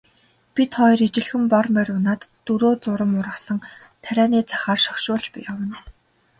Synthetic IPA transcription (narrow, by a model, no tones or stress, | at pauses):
pʲit̪χɔjɾit͡ɕɪ̆ɮxɘ̆mpɔrmpæɾʲʊːnaːt̪ːuɾoːt͡sʊɾə̆mʊɾə̆sə̆ŋ | t̪ʰæɾʲæːniːt͡sʰḁχaːrʃɔkʃʊːɮt͡ɕpḭjawə̆n